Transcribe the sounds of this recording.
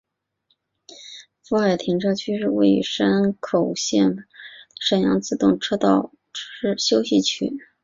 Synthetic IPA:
fu˧˥xa˥˩ɪt̪ʰi˧˥ŋʈ͡ʂʰɤ˥t͡ɕʰy˥ʂɻ̩˥˧we˥˩ɪʂa˥nkʰo˨˩ʊɕjɛ˥˩nʂə˨˩njɑ˧˥ŋt͡sɹ̩˥˧t̪ʊ˥˩ŋʈ͡ʂʰɤ˥t̪ɑ˥˩ʊ | ʈ͡ʂ̩˥ɕjo˥ʊɕi˥˩t͡ɕʰy̰˥˩˦

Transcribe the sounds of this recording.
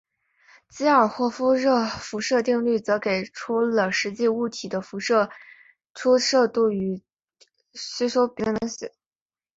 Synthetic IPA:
t͡ɕi˥ə˞˨˩xwɔ˥˩fu˥ɻɤ˥˩fu˧˥ʂɤ˥˧t̪i˥˧ŋly˥˩t͡sɤ˧˥ke˨˩ɪʈ͡ʂʰu˥lə˩ʂɻ̩˧˥t͡ɕi˥˧u˥˩t̪ʰi˨˩d̪ə˦fu˧˥ʂɤ˥˧ | ʈ͡ʂʰu˥ʂɤ˥˧t̪u˥˩y˧˥ | ɕi˥ʂo˥ʊpi˧˥nə˧˥ɕɛ̰˨˩˦

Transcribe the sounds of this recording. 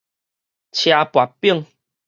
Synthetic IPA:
t͡ɕʰja˧pwa˨˩pːi˥˧˨ŋ

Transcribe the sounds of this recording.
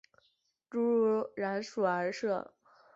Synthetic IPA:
ʈ͡ʂu˥ɻɻa˧˥nʂu˨˩ə˧˥ʂɤ˥˩

